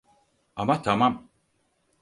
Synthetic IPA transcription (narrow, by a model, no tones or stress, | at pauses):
amat̪ʰamam